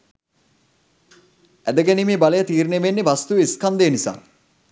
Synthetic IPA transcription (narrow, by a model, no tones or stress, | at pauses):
æd̪əɡænimiːbaləjət̪iːɾneʋenːeʋast̪uʋiskand̪ejːnisa̰ː